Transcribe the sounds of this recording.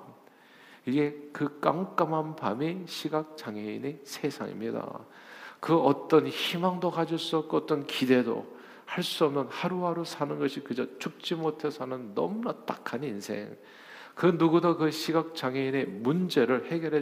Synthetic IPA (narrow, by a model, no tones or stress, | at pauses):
iɡe̞kɯk͈aŋk͈amɦanbamiɕʰiɡak̚t͡ɕaŋɦeḭnesʰe̞sʰa̰ŋḭmɲida̰ | kɯʌt͈ʌnçimaŋdokad͡ʑiɭs͈uʌp̚k͈oʌt͈ʌnkide̞do̰ | haɭs͈uʌmnɯnhaɾuɦaɾosʰanɯnɡʌɕʰikɯd͡ʑʌt͡ɕuk̚t͡ɕ͈imotʰe̞sʰʌnɯnːʌ̰munat͈akʰaninsʰe̞̰ŋ | kɯnuɡudʌkɯɕʰiɡak̚t͡ɕaŋeine̞mund͡ʑe̞ɾɯɭhe̞ɡjʌɾɦe